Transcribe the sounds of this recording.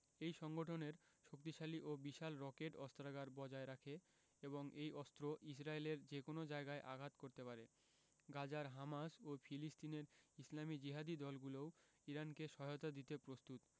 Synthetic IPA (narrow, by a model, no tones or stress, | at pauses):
ejʃɔŋɡoʈʰoneɾʃok̚t̪iʃaliʔobiʃalɾɔkeʈɔst̪ɾaɡaɾbɔd͡ʑaeɾakʰe | eboŋʔejɔst̪ɾoʔis̬ɾaeleɾd͡ʑekonod͡ʑaeɡaeʔa̰ɡʱat̪koɾt̪epaɾe | ɡad͡ʑaɾɦamasofʰilisʈineɾislamid͡ʑiɦad̪id̪ɔlɡulow | iɾankeʃɔɦot̪ad̪it̪epɾost̪ut̪